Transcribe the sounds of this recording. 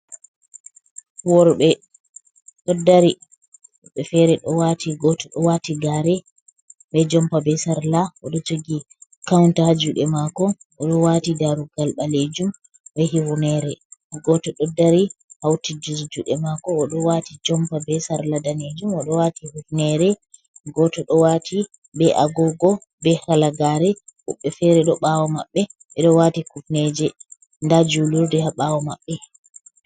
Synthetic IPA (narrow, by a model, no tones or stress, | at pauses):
wɔɾɓɛ | ɗɔdːaɾi | ɓɛfɛɾɛɗɔwatʰiɡɔtɔɗɔwatiɡaɾɛ | ɓɛd͡ʒɔmpabɛsaɾlaɔɗɔt͡ʃoɡi | kawntahad͡ʒuɗɛmakɔ | ʔɔɗɔwatidaɾuɡalɓaled͡ʒum | ɓɛɦiwunɛɾɛɡɔtɔɗɔdːaɾihawtid͡ʒiɾd͡ʒuɗɛmakɔːɗɔwatid͡ʒɔmpabɛsaɾladaned͡ʒumɔɗɔwatihufnɛɾɛ | ɡɔtɔɗɔwatʰi | bɛʔaɡɔɡɔ | bɛhalaɡaɾɛhṵɓːɛfɛɾɛɗɔɓawɔmaɓːɛ | ɓɛɗɔwatikufnɛd͡ʒɛ | ndad͡ʒuluɾdɛhaɓawɔmaɓːɛ